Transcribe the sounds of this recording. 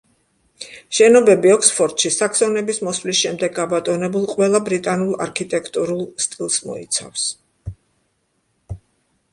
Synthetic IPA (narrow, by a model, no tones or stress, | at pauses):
ʃɛnɔbɛbiɔkspʰɔɾt̪ʼʃisakʰsɔnɛbismɔsvlisʃɛmd̪ɛɡːabat̪ʼɔnɛbulˠqʼwɛlˠabɾit̪ʼanulˠa̰ɾkʰit̪ʼɛkʰt̪ʼuɾulˠst̪ʼilˠsmɔ̰ḭt̪sʰa̰fs